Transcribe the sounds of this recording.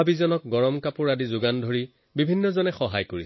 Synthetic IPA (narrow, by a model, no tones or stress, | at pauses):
abizɔnɔk̚ɡɔɹɔmkapʊɹadizʊɡandʱoɹi | bibʱinːɔzɔnɛxɔɦajkoɹi